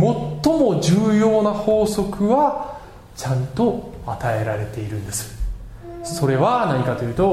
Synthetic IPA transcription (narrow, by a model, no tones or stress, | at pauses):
mo̞t̪ːo̞mo̞ʑɨːjo̞ːnaho̞ːso̞kɯ̟βa | t͡ɕãnt̪o̞at̪ae̞ɾaɾe̞t̪e̞iɾɯ̟̃nd̪esɨ̥ | so̞ɾe̞βanaɲ̟ikat̪o̞jɯ̟ːt̪o̞